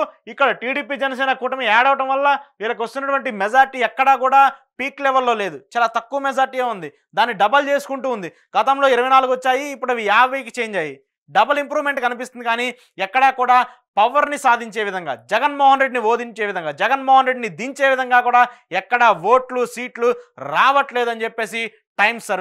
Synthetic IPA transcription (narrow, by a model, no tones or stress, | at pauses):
ikːɐɽɐʈiːɽiːpiːd͡ʒɛnɐsɛːnɐkuːʈɐmeɛːɽɐʋɐʈɐmʋɐlːɐʋiːlɐk̬iʋɐst̪unːɐʈuʋɐɳʈimɛd͡ʒaːɾʈiɛkːɐɽɐkuːɽaːpiːklɛʋɐɾlːo̞ːle̞ːd̪ut͡ʃaːlaːt̪ɐkːuʋɐmɛd͡ʒaːɾʈijeːund̪i | d̪aːnːiɖɐbɐlt͡ʃe̞ːsu̥kuɳʈuːnd̪i | ɡɐt̪ɐmloːiɾɐʋɐjnaːlukʋɐt͡ʃːaːjiːpːuɽɐʋijaːʋɐjk̬it͡ʃeːɲd͡ʒaːji | ɖɐbɐlimpɾuːme̞ɳʈkɐnipist̪und̪ikaːniː | ɛkːɐɽɐkuːɽaː | pɐʋɐɾnisaːd̪ʱiɲt͡ʃe̞ːʋid̪ʱɐŋɡa̰ːd͡ʒɛɡɐnmɔːɦɐnɾe̞ɖiniʋo̞ːd̪iɲt͡ʃe̞ːʋid̪ʱɐŋɡaːd͡ʒɛɡɐnmɔːɦɐnɾe̞ɖinid̪iɲt͡ʃe̞ːʋid̪ʱɐŋɡaːkuːɽaːɛkːɐɽɐʋo̞ːʈlusiːʈluɾaːʋɐʈleːd̪uɐnit͡ʃepːe̞ːsi | ʈɐjmsɐ